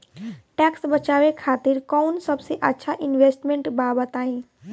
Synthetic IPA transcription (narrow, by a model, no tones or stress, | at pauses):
ʈɛːksbət͡ʃaːʋekʰaːt̪iɾkɔːnsəbseʔətːʃʰaʔɪnʋeːsʈmẽɳʈbaːbət̪aːɦĩː